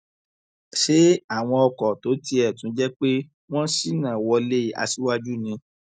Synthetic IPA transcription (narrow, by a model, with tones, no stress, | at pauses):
ʃe˦a˦˨w̃ɔ̃˧ɔ˧kɔ˨to˨˦ti˧ɛ˨tũ˨˦d͡ʒɛ˦k͡pe˦ | w̃ɔ̃˦si˦˨nã˦˨wɔ˧le˦a̰˧si˦wa˦d͡ʒu˦nĩ˧